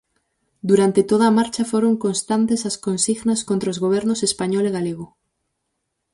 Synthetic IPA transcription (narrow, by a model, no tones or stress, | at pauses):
d̪uɾant̪et̪oð̞ɐːmaɾt͡ʃɐfoɾoŋkonst̪ant̪esaskonsiɣnaskont̪ɾaozɣoβ̞ɛɾnosespaɲɔleɣaleɣ̞o